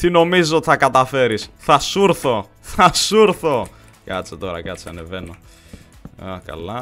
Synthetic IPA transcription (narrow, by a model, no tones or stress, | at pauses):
t̪ino̞mizizot̪i̥θɐkɐt̪ɐfe̞ɾisθɐsuɾθo̞ | θɐsuɾθo̞ | kɐt͡set̪o̞ɾɐ̰kɐt͡seɐne̞ve̞no̞ | ɐkɐ̰lɐ